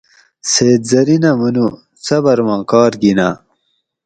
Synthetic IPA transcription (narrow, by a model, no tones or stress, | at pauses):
seːt̪̚zɐɾinɐmunu | t͡sɐbɐɾmɑ̃ːkaːɾɡina